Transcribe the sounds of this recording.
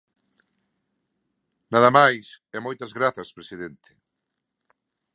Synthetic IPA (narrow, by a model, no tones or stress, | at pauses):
naðɐmajsɛmojt̪ɐzɣɾaθɐspɾesiðent̪ɪ̥